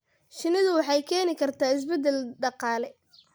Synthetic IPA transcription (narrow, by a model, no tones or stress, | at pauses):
ʃɪnɪðʊwɑħɑjkʰɛːnɪkʰɐrt̪ʰaːɪs̬bɛd̪ɛlɖɑqɑːlɛ